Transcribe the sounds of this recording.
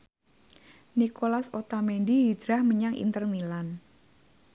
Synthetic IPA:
nikolasot̪amendiɦid͡ʒɾahməɲaŋḭnt̪ərmilan

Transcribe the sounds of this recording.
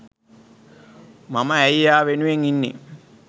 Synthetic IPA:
mamɐːjaːʋenuʋeŋinːḭ

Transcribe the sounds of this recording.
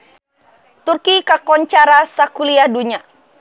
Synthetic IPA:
t̪urkikakɔɲt͡ʃaɾasakuliaduɲa

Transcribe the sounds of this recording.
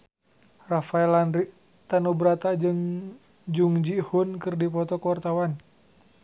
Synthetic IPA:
rafaɛlanɾiʔ | t̪anubəɾat̪ad͡ʒɨŋ | d͡ʒuŋd͡ʒihunkɨrdipɔt̪ɔkwart̪awan

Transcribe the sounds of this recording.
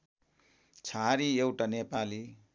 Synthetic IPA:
t͡sʰaɾiewʈanepali

